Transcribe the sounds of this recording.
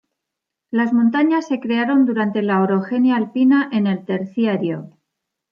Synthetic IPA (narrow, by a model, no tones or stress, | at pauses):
lazmõ̞nt̪aɲasːe̞kɾe̞aɾo̞nd̪uɾant̪e̞laoɾo̞xe̞njaːlpinaʔe̞ne̞lt̪e̞ɾθjaɾjo̞